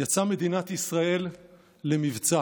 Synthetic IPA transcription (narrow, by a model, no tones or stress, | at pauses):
at͡same̞d̪inat̪isʁae̞lː | e̞mivt͡sa